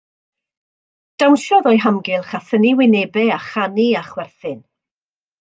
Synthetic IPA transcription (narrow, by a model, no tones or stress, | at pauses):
d̥awnʃɔðɔjɦamɡɪlˠχaθəniwɪneːbɛaχaniaχwɛrθɪn